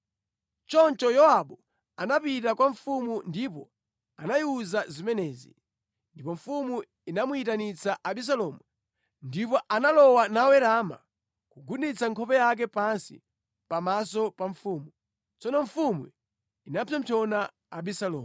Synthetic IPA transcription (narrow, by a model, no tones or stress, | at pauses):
t͡ʃɔnt͡ʃɔjɔwaɓu | anapitakwaɱfumundipɔ̰ | anajiuzazimɛnɛːzḭ | ndipɔɱfumu | inamuitanit͡saʔaɓis̬alɔmwu | ndip̬ɔʔanalɔwanawɛɾama̰ | kuɡunit͡saŋkʰɔpɛjak̬ɛpansḭ | pamas̬ɔpaɱfumu | t͡sɔnɔɱfumwḭ | inapʰɛm̩pʰɔnaː | ɓisalɔː